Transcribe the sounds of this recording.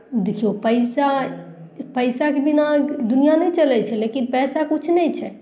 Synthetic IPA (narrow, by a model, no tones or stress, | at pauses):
d̪ekʰijopəɪsa | pəjsakebinad̪unijanɛjt͡ʃəlɛt͡ʃʰɛlekinpɛsakut͡ʃʰnɛjt͡ʃʰɛ